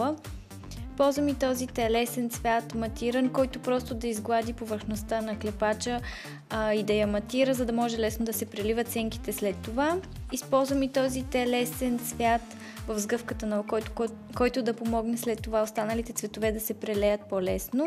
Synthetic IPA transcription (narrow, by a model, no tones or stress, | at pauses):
ə | pɔlˠzvəmit̪ɔzit̪ɛlɛsɛnt̪svʲjat̪mɐt̪iɾənkɔjt̪opɾɔst̪od̪ɐizɡlˠad̪ipovəɾxnost̪anɐklɛpat͡ʃə | id̪ɐjɐmɐt̪iɾəzɐd̪ɐmɔʒɛlɛsnod̪ɐsɛpɾɛlivət̪t̪sɛŋki̥t̪ɛslɛt̪ːova | ispɔlˠzvəmit̪ɔzit̪ɛlɛsɛnt̪svʲjat̪ | vɐvzɡɤfkət̪ənɐkɔ | kɔjt̪ʊd̪ɐpomɔɡnɛslɛt̪ːovaost̪anəlit̪ɛt̪svɛt̪ovɛd̪ɐsɛpɾɛlɛjət̪̚pɔlɛsno